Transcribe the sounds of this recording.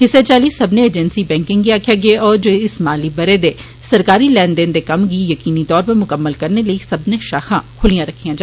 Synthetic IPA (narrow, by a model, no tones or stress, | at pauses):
ɦɪsːet͡ʃaːliːsəbneeːd͡ʒɛnsibɛ̃ːŋkɪ̃ŋɡiaːkʰjaːɡɪeɔːɾd͡ʒoːɪsmaːliːbəɾed̪eː | səɾkaːɾiːlɛːnd̪ẽːnd̪eːkəmɡiːjəkiːnit̪ɔːɾpəɾmʊkəmːəlkəɾneləisəbnẽːʃaːxʰãːkʰʊlijãɾəkʰːijãːd͡ʒa